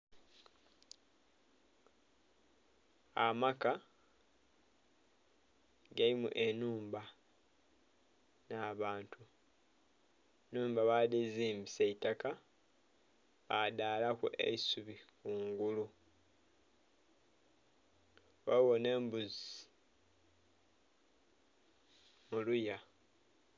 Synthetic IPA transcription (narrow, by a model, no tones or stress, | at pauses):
amaka | ɡalimṵʔenuːmba | naβaːntʰu | nuːmbaβadeziːmiseitaka | βadaːlakṵʔḛisuβikuːŋɡulu | wawoneːmbuzi | muluja